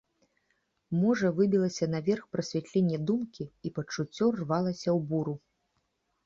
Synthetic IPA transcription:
mɔʐɐvɨbʲilˠɐsʲɐnɐvʲɛrxpɾɐsʲvʲɛt̪ʲlʲenʲːɛd̪umkʲiipɐt͡ʂut͡sʲːɔrvalˠɐsʲɐwbuɾu

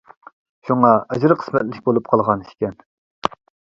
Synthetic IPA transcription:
ʃuŋɑʔɛd͡ʒɾɨqʰə̥smɛt̪lɪkʲbolˠup̚qʰɑlˠʁɑniʃkʲɛn

